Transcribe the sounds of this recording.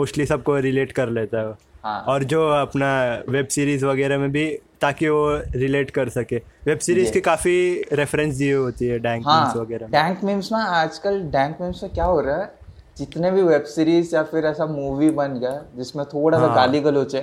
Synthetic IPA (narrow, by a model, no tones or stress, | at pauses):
moːʃʈlisɐb̚koɾɪleːʈkɐɾleːt̪aɦɛoɦã̰ːɔːɾd͡ʒoːɐpnaʋebsiːɾiːzʋɐɡɛːɾemẽbʱit̪aːkiʋoɾɪleːʈkɐɾsɐkeːʋeːbsiːɾiːzkikaːfiɾɛfɾɛ̃ns̬d̪ieɦoːt̪iɦɛɖɛ̃ːŋkãːmsʋɐɡɛːɾamẽɖɛ̃ːŋkmẽːmsmẽaːd͡ʒkəlɖɛ̃ːŋkmẽːmsmẽkjaːɦoːɾaɛ | d͡ʒɪt̪nebʱiʋebsiːɾiːzjafɪɾɛːsamuːʋibɐnɡɐjad͡ʒɪsmẽt̪ʰoːɽasãɡaːliɡəlɦoːt͡ʃɛ